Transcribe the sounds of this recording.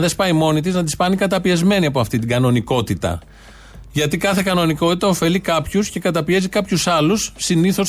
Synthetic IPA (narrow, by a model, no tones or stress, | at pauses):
ðe̞spɐimo̞nit̪̬iznɐt̪ispɐnikɐt̪ɐpiɐzme̞niɐpoɐft̪it̪iɡɐno̞niko̞t̪it̪ɐ̰ | ʝɐt̪ikɐθe̞kɐno̞niko̞t̪it̪ɐo̞fe̞likɐpçusce̞kɐt̪ɐpie̞zikɐpçusɐlusːiniθo̞s